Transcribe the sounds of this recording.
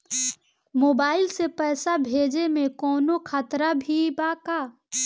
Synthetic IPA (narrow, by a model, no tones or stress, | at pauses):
moːbaːɪlsepɛːsabʱeːd͡ʒemẽkɔːnokʰaːt̪ɾabʱibaːkaː